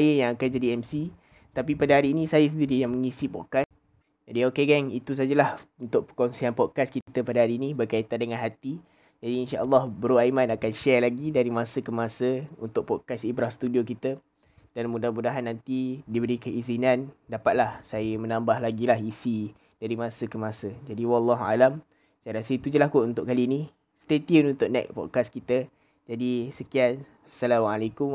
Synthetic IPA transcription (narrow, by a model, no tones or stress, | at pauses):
ajəjaŋakand͡ʒadiɛmsi | t̪apipadaɦaɾiːnisajəs̬əndiɾijaŋməŋisipɔʔ̚kas | d͡ʒadiokeɡɛŋit̪us̬ad͡ʒəlahunt̪ʊkʔ̚pəkɔnsianpɔd̚kaskit̪əpadaɦaɾiːnĩbərkait̪andəŋanɦat̪i | d͡ʒadiːnʃaʔəlːɑhbəɾuaimanakanʃɛrlaɡidaɾimasəkəmasəunt̪ʊk̚pɔkasibɾahsə̥t̪udiokit̪ə | d̥anmudahmudaɦanːant̪idibəɾikəizinandapat̪̚lahsajəmənambaɦlaɡilaɦisi | daɾimãsəkəmasəd͡ʒadiwalːaɦua̰lam | sajɾasəit̪ud͡ʒəlakuunt̪ʊʔkalini | st̪et̪iənunt̪ʊʔ̚nɛ̰k̚pɔ̰ʔ̚kaskit̪ə | d͡ʒadisəkian | salamalakum